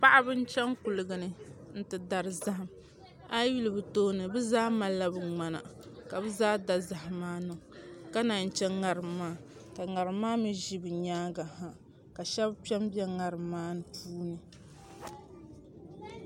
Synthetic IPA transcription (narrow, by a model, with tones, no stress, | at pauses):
pa˦ʔa˦bɨ˦n̩˦t͡ʃɛ˦ŋku˨lɨ˨ɡa˨nɨ˨n̩˦tɨ˨da˨ɾɨ˨za˦ɦa˨m | a˦wi˦lɨ˨bɨ˨toː˦nɨ˨bɨ˦zaː˦ma˨la˦bɨ˨ŋ͡ma˨na̰˨ka˨bɨ˦zaː˦da˨za˨ɦa˨maː˦nɨ˨ŋ˨ka˦na˨n̩˨t͡ʃɛ˦ŋa˨ɾɨ˨mːaː˦ | ka˨ŋa˨ɾɨ˨maː˦mi˦ʒi˦bɨ˨ɲaː˦ɡa˨ha˨ | ka˨ʃɛ˦bpɛ˦mbjɛ˦ŋa˨ɾɨː˨aː˦nɨ˨pʰuː˦nɨ˨